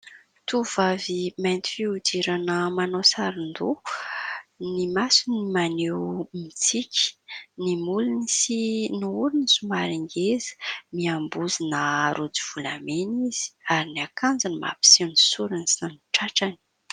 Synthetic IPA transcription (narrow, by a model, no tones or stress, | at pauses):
t̪uvavimajnt̪i̥fiud̪iɾanəmanosaɾind̪u | nimasunimanewmit͡sikʲi̥nimulunisinuulunisumaɾiŋɡezi̥miambuzinaɾud͡ziv̥ulameniz̥i̥aɾiniakʰand͡zanima̰pi̥siwnisuɾinisinaniʈ͡ʂaʈ͡ʂani̥